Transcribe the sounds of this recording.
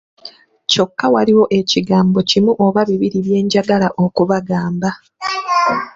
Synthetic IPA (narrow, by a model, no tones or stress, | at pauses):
co̞kːawaliwo̞ʔe̞ciɡaːmbo̞cimuʔo̞βaβiβiɾiβje̞ːɲɟaɡalaʔo̞kuβaɡaːmba